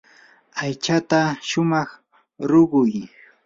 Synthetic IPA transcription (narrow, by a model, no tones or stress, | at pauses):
ajt͡ʃat̪aʃʊmɑχ | ɾʊɢʊj